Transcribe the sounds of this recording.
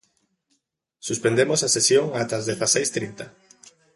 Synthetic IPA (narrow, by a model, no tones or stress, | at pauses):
suspend̪emosasesjoŋat̪azðeθasejst̪ɾint̪a